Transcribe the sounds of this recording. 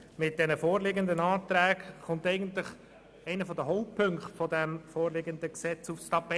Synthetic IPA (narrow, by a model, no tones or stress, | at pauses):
mɪt̚d̥ɛnəfoːɾlɪɡənd̪ənɑːt̪ɾæːkχʊntɛɪɡəntlɪχ | ɛɪnəfɔdəɦɔʊppʰɵŋkχtfɔdɛmfoːrlɪːɡənd̪əksɛt͡sufstɑpɛ